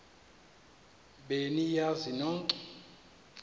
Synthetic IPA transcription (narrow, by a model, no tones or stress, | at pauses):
ɓenijazinɔǀ